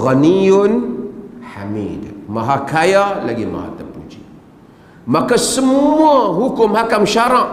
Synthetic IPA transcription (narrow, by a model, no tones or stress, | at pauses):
ɣanijon | ħa̰mḭdmaɦakajalaɡḭma̰a̰tapṵt͡ʃḭ | makasəmuaɦukumhakamʃaɾa